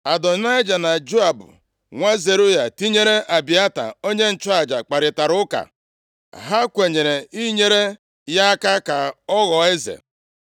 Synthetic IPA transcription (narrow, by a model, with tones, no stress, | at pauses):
a˨dɔ˨na˦ɪ˦d͡ʒa˨na˨d͡ʒo˦a˨bʊ̰˨ | ŋʷa˦ze˨ɾʊ˦ja˨ti˦ɲe˦ɾe˦ʔa˨bi˨a˦ta̰˨o˦ɲe˦n̩˨t͡ʃɔ˦a˨d͡ʒa˨k͡pa˨ɾɪ˨ta˨ɾʊ˦ka̰˨ | ɦa˦kʷe˨ɲe˨ɾe˨i˦ɲe˦ɾe˦ | ja˦ka˦ka˨ɔ˦ɣɔ˨e˦zḛ˨